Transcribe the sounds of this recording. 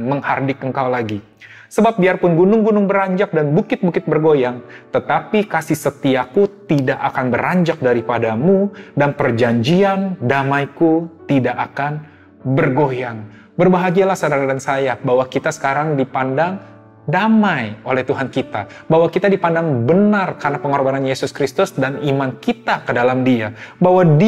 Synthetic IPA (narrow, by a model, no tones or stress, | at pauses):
məŋhardɪkəŋkawlaɡi | səbap̚biarpʊnɡunʊŋɡunʊŋbəɾaɲd͡ʒak̚danbukɪt̪̚bukɪt̪̚bərɡojaŋt̪ət̪apikasihsət̪iakut̪idaʔakanbəɾaɲd͡ʒak̚daɾipadamudanpərd͡ʒaɲd͡ʒiandamajkut̪idaʔakan | bərɡojaŋ | bərbaɦaɡialahsədaɾadansajabawakit̪asə̥kaɾaŋdipandaŋ | damajolɛht̪uɦankit̪a | bawakit̪adipandaŋbənarkarnapəŋɔrbananjesʊskɾist̪ʊsdanimankit̪akədalamdiabaɦwad